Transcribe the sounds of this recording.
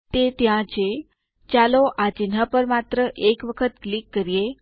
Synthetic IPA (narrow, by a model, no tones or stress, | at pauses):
t̪et̪jãt͡ʃʰe | t͡ʃaloʔat͡ʃinɦapəɾmat̪ɾəʔekʋəkʰət̪klikːəɾije